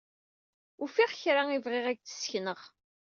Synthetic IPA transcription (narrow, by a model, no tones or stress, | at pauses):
ʊfiʁçɾaivʁeʁæɡ̚t͡sə̥sçnəʁ